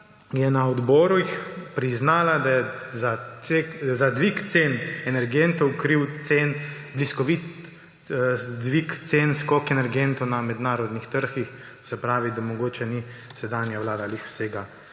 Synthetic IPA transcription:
jɛnaɔd̪bɔːɾujixpɾiznaːlad̪ajɛzaekzad̪ʋikt̪senɛnɛɾɡent̪ɔwkɾiwt̪sen | bliskɔʋit̪ | d̪ʋikt̪senskɔkɛnɛɾɡent̪ɔwnamɛd̪naːɾɔd̪nixt̪əɾxixt̪osɛpɾaːʋid̪amɔɡoːt͡ʃɛnisɛd̪aːnjaʋlaːd̪alixseːɡa

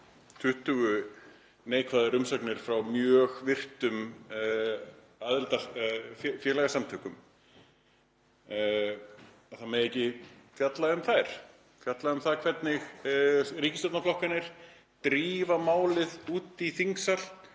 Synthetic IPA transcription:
t̪ʰʏht̪ʏɣʏ | neːjkʰvaðʏɾʏmsɔknɪɾ̥fɾawmjœːɣvɪr̥t̪ʏm | aðɪlt̪a | fjɛːɾlɛɣasamt̪ʰœːkʏm | aðθaðmɛjejcɪfjat̪laʏmθajɾ̥ | fjat̪laʏmθaðɾkʰv̥ɛt̪nɪx | ɾiːcɪst̪ɔt̪naflɔhkanɪɾ̥ | t̪ɾiːvamaːwlɪðuːt̪iθiŋksal̥

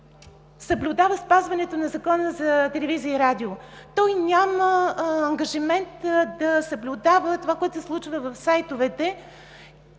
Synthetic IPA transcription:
sɐblʲʊd̪avəspazvɐnɛt̪onɐzɐkɔnəzɐt̪ɛlɛviziəiɾad̪iot̪ɔjnʲaməːŋɡɐʒimɛnt̪d̪ɐsəblʲʊd̪avət̪ovakoɛt̪ʊsɛslˠut͡ʃvəvɐfsajt̪ovɛt̪ɛ

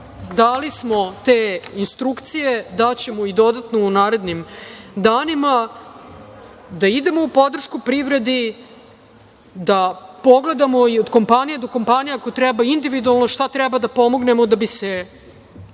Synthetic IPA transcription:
d̪alismo̞t̪eːinst̪ɾukt̪sije̞d̪at͡ɕe̞moid̪o̞d̪at̪no̞unaːɾe̞d̪nimd̪aːnima | d̪aid̪e̞mo̞upo̞d̪r̩ʃkupɾiʋɾe̞d̪i | d̪apo̞ɡle̞d̪amo̞iod̪ko̞mpanijed̪o̞ko̞mpanijaakot̪ɾɛbaind̪iʋid̪ualˠnoʃt̪at̪ɾɛbad̪apo̞moɡne̞mo̞d̪abise

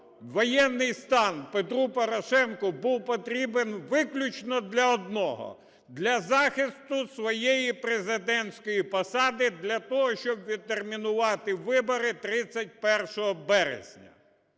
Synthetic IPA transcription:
ʋɔjɛnːɪjst̪ɑnpet̪ɾupɔɾɔʃɛnkʊbuwpɔt̪ɾʲibenʋɪklʲʊt͡ʃnɔd̪lʲɐɔd̪̚nɔɦɔ̰ | d̪lʲɐzɑxɪst̪ʊsʋɔjejipɾezɪd̪ɛnʲsʲkɔjipɔsɑd̪ɪd̪lʲɐt̪ɔɦɔʃt͡ʃɔbʋʲid̪̚t̪ːermʲinʊʋɑt̪ɪʋɪbɔɾɪt̪ɾɪt͡sʲːɐt̚ʲpɛrʃɔɦɔbɛɾḛzʲnʲɐ̰

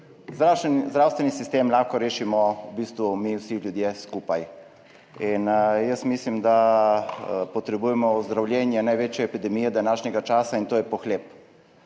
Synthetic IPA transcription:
zd̪ɾaːwst̪ʋɛnisist̪eːmlaxkɔɾeːʃimɔbiːst̪ʋumiwsilʲjud̪jeskuːpaj | injəst̪mislimd̪a | pɔt̪ɾɛbuːjɛmɔuzd̪ɾawlʲjɛnjɛnajʋeːt͡ʃjɛɛpid̪ɛmiːjɛd̪anaːʃnʲɛɡat͡ʃaːsaint̪oːjɛpɔxleːp

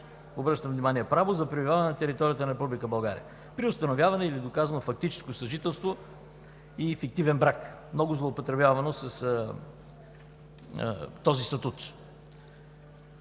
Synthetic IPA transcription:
obɾɤʃt̪əmvnʲimaniɛpɾavozɐpɾibivʲavɐnɛnɐt̪ɛɾit̪ɔɾijət̪ənɐɾɛpublikəbɐlˠɡaɾḭə | pɾiʊst̪ɐnovʲjavɐnɛilid̪okazvɐnofɐk̚t̪it͡ʃɛ̥skosɐʒit̪ɛlˠst̪vo | ifik̚t̪ivɛnbɾakmnɔɡʊzlˠoːpot̪ɾɛbjavɐnosɐs | t̪ɔzist̪ɐt̪ut̪

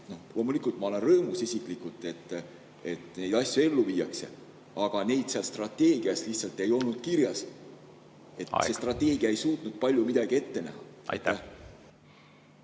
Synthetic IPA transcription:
no̞hlʔo̞ːmulikːˑult̪mɑo̞le̞nrɤ̞ːmusisʲikˑlikˑult̪ːˑe̞t̪ː | e̞t̪ˑne̞jd̪̥ɑsʲjue̞lːuviːɑkse̞̰ | ɑɡ̥ɑne̞jd̪̥seɑlst̪rɑt̪ːˑe̞ːɡ̥iɑsliçht̪sɑlt̪ːˑe̞jo̞lnud̪̥̚kiɾjɑs | e̞tt̪ːse̞st̪rɑt̪ːˑe̞ːɡ̥iɑe̞jsuːt̪nud̪̥̚pɑlʲjumid̪̥ɑɡ̥ie̞t̪ːe̞næ̰ɦɑ̰t̪ːæ

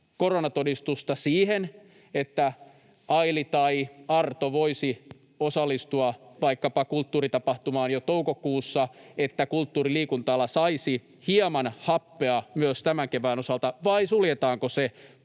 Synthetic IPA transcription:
koronɑt̪odist̪ust̪ɑsiːhen | et̪ːæ | ɑilit̪ɑiɑrt̪oʋoisi | osɑlːˑist̪uɑʋɑikːɑpɑkult̪ːuːrit̪ɑpɑht̪umɑːnjot̪oukokuːsːɑet̪ːækult̪ːuːriliːkunt̪ɑlːɑsɑisi | hiɑmɑnhɑpːeɑmyøst̪æmæŋkeʋæːnosɑlt̪ɑʋɑisuljet̪ɑːŋkose

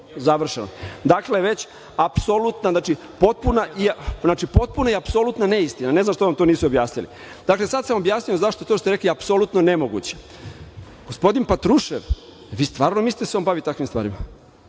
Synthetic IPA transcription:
zaʋr̩ʃeno̰d̪akleʋe̞t͡ɕ | apsolut̪naznaːt͡ʃi | po̞t̪̚punaʔinaːt͡ʃipo̞t̪̚punaiapsolˠut̪naneist̪inane̞znamʃt̪oʋamt̪oniːsuobjaːsnilḭ | d̪akle̞sad̪samobjaːsnijozaʃt̪o̞et̪oʃtot̪ɾeklijeapsolut̪nonemoɡṵt͡ɕe̥ | ɡ̥ospo̞d̪inpat̪ɾuʃeʋ | ʋiːst̪ʋaːɾnomisi̥t̪eseo̞nbaʋit̪akʋimst̪ʋa̰ːɾima

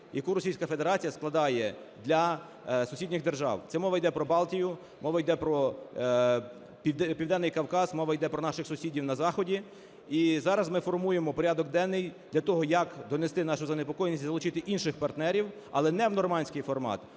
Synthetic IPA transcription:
jɐkuɾɔsʲijsʲkɐfe̞d̪e̞ɾɑt͡sʲijɐsklˠɐd̪ɑjɛ | d̪lʲɐ | sʊsʲidʲnɪɣd̪erʒɑ̰wt̪sɛmɔʋɐjd̪ɛpɾɔbɑlˠtʲijʊ | mɔʋɐjd̪ɛpɾɔ | pʲid̪ɛpʲiwd̪ɛnːɪjkɐwkɑzmɔʋɐjd̪ɛpɾɔnɑʃɪxsʊsʲidʲiwnɐzɑxɔdʲi | izɑɾɐzmɪfɔrmujemɔpɔɾʲad̪ɔɡd̪ɛnːɪjd̪̥lʲɐt̪ɔɦɔjɐkd̪ɔnest̪ɪnɑʃʊzɐnepɔkɔjnʲisʲtʲzɐlˠʊt͡ʃɪt̪ɪʔinʃɪxpɐrt̪nɛɾʲiw | ɐ̰lˠɛnɛwnɔrmɑnʲsʲkɪjfɔrmɑ̰t̪

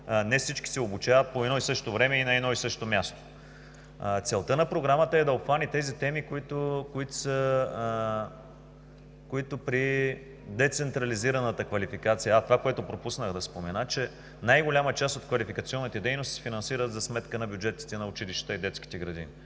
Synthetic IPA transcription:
nɛfsit͡ʃki̥sɛobut͡ʃavɐt̪̚poɛd̪ɔisɤʃt̪ovɾɛmɛinɐɛd̪ɔisɤʃt̪omʲjast̪o̥ | t̪sɛlˠt̪ənɐpɾoɡɾamət̪əɛd̪ɐopxanit̪ɛzit̪ɛmikoit̪okoit̪o̥sə | koit̪opɾi | d̪ɛt̪sɛnt̪ɾɐliziɾɐnət̪əkvɐlifikat̪sijəːt̪ovakoɛt̪ʊpɾopusnəxd̪ɐspomɛnat͡ʃɛ | najɡolʲamət͡ʃast̪ot̪kvɐlifikət̪siɔnːit̪ɛd̪ɛjnost̪isɛfinɐnsiɾət̪zɐsmɛt̪kənɐbʲjud͡ʒɛt̪ːi̥t̪ɛnɐʊt͡ʃiliʃtt̪əid̪ɛt̪skʲi̥t̪ɛɡɾɐd̪ḭni

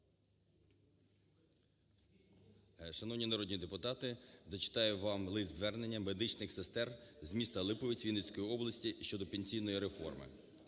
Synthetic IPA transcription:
ʃɐnɔʋnʲinɐɾɔdʲnʲid̪epʊt̪ɑt̪ɪzɐt͡ʃɪ̥t̪ɑjʊʋɑmlˠɪzʋɛrnenʲːɐmed̪ɪt͡ʃnɪxsest̪ɛrzmʲist̪ɐlˠɪpɔʋʲit͡sʲʋʲinesʲkɔjiɔblˠɐsʲtʲiʃt͡ʃɔd̪ɔpenʲsʲijnɔjiɾefɔ̰rmɪ̰

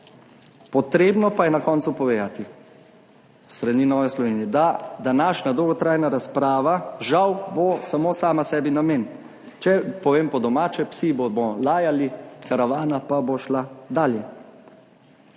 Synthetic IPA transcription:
pɔt̪ɾeːbnɔpajɛnakɔːnsupɔʋeːd̪at̪i | st̪ɾaninɔːʋɛslɔʋeːnijɛd̪ad̪anaːʃnad̪owɡɔt̪ɾaːjnaɾaspɾaːʋaʒawbosamosaːmasɛːbinameːn | t͡ʃɛpɔʋeːmpɔd̪ɔmaːt͡ʃɛpsibomɔlaːjalikaɾaʋaːnapaboʃlad̪aːljɛ

